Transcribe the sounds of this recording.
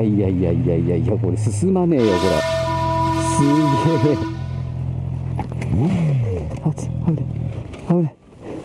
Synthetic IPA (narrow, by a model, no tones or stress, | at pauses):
aiaijaijaijaiakoɾesɨsɨmaneːjokoɾa̰ | sɨɡe | at͡saɾeaɾe